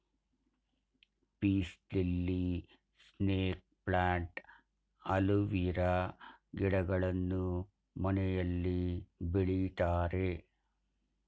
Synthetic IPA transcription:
piːslilːi | sneːk̚pɭaːɳʈ | ɐluʋiɾɐɡiɽɐɡɐɭɐnːu | mɐnɛjɐlːibiɭit̪aːɾe

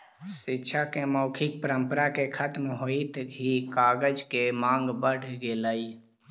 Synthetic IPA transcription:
sitːʃʰakeməʊkʰɪk̚pəɾəmpəɾakekʰət̪mɦoit̪ɦikaːɡəd͡ʒkemãːŋɡbəɽ̤ɡeləi

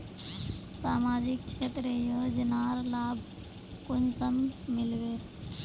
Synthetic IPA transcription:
saːmaːd͡ʒɪkt͡ʃʰet̪ɾejod͡ʒɪnaːɾlaːbʱ | kʊnsəmmɪlbeː

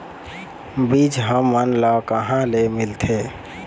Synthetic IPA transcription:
bid͡ʒɦəmːənlakəɦãlemilt̪ʰe

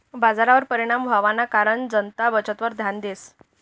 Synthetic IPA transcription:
bad͡zaɾaʋəɾpəɾiɽ̃ambʱaʋanːakaɾəɳd͡zənt̪abət͡ɕət̪ʋəɾd̪ʱjand̪es

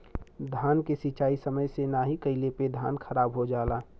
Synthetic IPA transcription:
d̪ʱaːnkesit͡ʃaːisəməjsenaːɦikəɪleped̪ʱaːnkʰəɾaːbɦod͡ʒaːlaː

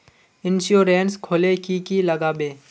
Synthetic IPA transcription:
ɪnʃjoːɾeːnskʰoːlekikiləɡaːbeː

